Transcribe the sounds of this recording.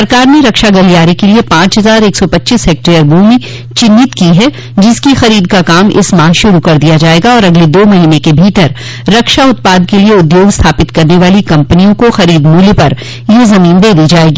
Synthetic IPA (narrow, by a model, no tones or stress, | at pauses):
sɐɾkaːɾneɾɐkʃaɡɐɾijaːɾikeliepãːt͡ʃɦɐzaːɾeːksɔpɐtːt͡ʃishɛːk̚ʈɾijəɾbʱuːmi | t͡ʃɪ̃nːɪt̪kiɦɛ | d͡ʒɪskixɐɾiːd̪kakaːmɪ̰smaːʃʊɾukɐɾd̪ijad͡ʒaːeːɡaɔːɾɐɡled̪oːmɐɦiːnekebʱiːt̪əɾː | ɐkʃaʊt̪̚paːd̪̚kelieʊd̪joːɡst̪ʰaːpɪt̪kɐɾneʋaːlikɐ̃mpənijõkoxɐɾiːd̪muːljpɐɾ | jezɐmiːnd̪eːd̪id͡ʒaːeːɡiː